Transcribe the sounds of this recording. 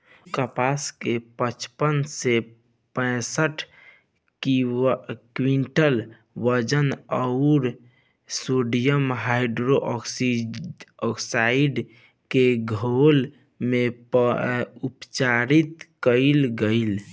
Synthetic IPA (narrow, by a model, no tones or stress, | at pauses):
kəpaskepət͡ʃpənse | pə̃ɪsəʈʰ | kwiɳʈəl | ʋəd͡ʒənəʊɾ | soɖijəmɦaɪɖɾoʔɔksi | ɔksaiɖ | keɡʱol | mep | upt͡ʃaɾit̪kəɪlɡəɪl